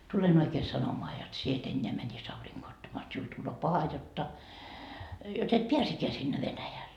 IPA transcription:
tulen oikeː sɑnomoɑ jot sie et enʲːeæ mænʲis ɑuriŋɡ̊oː otːɑmɑː jot siul tulːoː pɑhɑ jotːɑ jot et piæsekːeæ sinːe ʋenæjæl

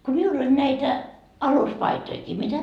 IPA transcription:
ko miulː olʲ næitæ ɑluspɑitoikiː mitæ

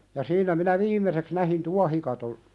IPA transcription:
jɑ siːnæ minæ ʋiːmˑeseks næhin tuɑhikɑton

